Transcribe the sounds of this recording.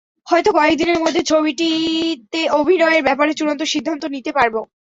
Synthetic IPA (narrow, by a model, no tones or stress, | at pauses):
hɔet̪okɔek̚d̪ineɾmod̪ʱːet͡ɕʰobiʈit̪eobʱinɔeeɾbɛpaɾet͡ɕuɽont̪oʃid̪ʱːant̪onit̪epaɾbo